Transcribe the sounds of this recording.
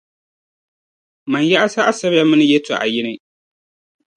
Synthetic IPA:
ma˨nja˦ʔa˦sa˦ʔa˦sɐ˦bja˦mɨ˦nɨ˦jɛ˦ta̰˨ʔa̰˨jɪ˦ni˦

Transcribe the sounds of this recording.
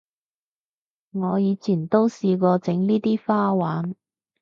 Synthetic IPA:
ŋɔː˨˧jiː˨˧t͡sʰiː˨˩nt̪o˥wsiː˧kɔː˧t͡sɪ˨˥ŋliː˥t̪iː˥faː˥waː˨˥n

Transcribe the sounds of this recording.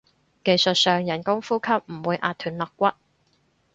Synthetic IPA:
ke˨jsɵ˨t̚sœː˨ŋjɐ˨˩nkʊ˥ŋfuː˥kʰɐ˥p̚m̩˨˩wuː˨˧jʔa̰ː˨t̪ʰːyː˨˩nlɔ˨kːʷɐ˥t̚

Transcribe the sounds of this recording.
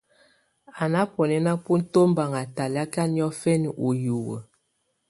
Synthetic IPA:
a˨na˦pɔ˨nɛ˦na˦pu˦n̩˦to˦m˦ba˨ŋa˨ta˨la˦ka˦ni˦ɔ˦fɛ˦n˨u˨ju˨wə̰˨

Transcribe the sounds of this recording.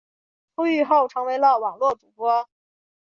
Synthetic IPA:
xu˥y˥˧xo˥˩ʊʈ͡ʂʰɤ˧˥ŋwe˧˥ɪlə˥˧wɑ˨˩ŋlwɔ˥˩ʈ͡ʂu˨˩pwɔ˥

